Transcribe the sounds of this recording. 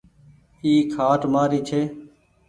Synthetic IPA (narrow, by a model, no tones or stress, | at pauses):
iːkʰaːʈmaːɾiːt͡ʃʰeː